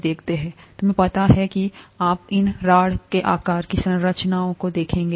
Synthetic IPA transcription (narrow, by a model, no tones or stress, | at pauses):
d̪eːkʰt̪eɦɛ̃ːt̪ʊmẽpɐt̪aɦɛkiaːpɪnɾaːɽkeʔaːkaːɾkisɐ̃nɾət͡ʃnaːõkod̪eːkʰẽːŋɡe